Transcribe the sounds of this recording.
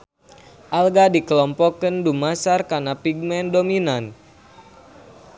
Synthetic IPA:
ʔalɡadikəlɔmpɔkəndumasarkarnapiɡ̚mɛndominan

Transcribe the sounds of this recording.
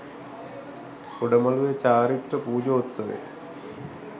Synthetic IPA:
puɖəmɐluʋet͡ɕaːɾiʈːəpuːd͡ʑoːt̪sɐʋḛ

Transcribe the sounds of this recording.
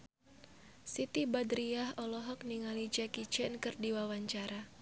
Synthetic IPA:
sit̪ibadɾiaɦɔlɔɦɔk̚niŋalid͡ʒakit͡ʃɛnkɨrdiwawaɲt͡ʃaɾa

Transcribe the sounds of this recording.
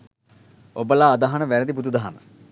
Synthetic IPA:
obəlaːd̪aɦanəʋænəd̪ibud̪ud̪aɦamə̰

